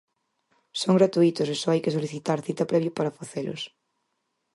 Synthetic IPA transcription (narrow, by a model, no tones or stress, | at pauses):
soŋɡɾat̪uit̪os̬esɔajkes̬oliθit̪aɾθit̪apɾɛβjopaɾafaθelo̰s